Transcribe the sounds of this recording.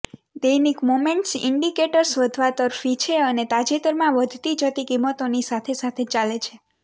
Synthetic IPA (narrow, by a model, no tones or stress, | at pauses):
d̪əjnikmomeɳʈsɪ̰ɳɖikeʈəɾsʋəd̪ʱʋat̪əɾfit͡ʃʰeənet̪ad͡ʒet̪əɾmãʋəd̪ʱt̪id͡ʒət̪ikimːət̪onisat̪ʰesat̪ʰet͡ʃalet͡ʃʰe